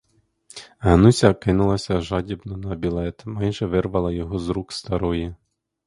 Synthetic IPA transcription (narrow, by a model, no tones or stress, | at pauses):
ɦɐnusʲɐkɪnʊlˠɐsʲɐʒɑdʲibnɔnɐbʲilˠɛt̪mɑjʒɛʋɪrʋɐlˠɐjɔɦɔzɾukst̪ɐɾɔji